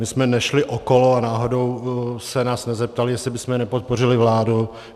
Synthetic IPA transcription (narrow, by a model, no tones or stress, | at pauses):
mɪsmɛnɛʃlɪʔoko̞loanaːɦo̞do̞wsɛnaːsnɛzɛp̚t̪alɪjɛsɪbɪsmɛɛnɛpo̞t̪̚por̝ɪlɪvlaːdu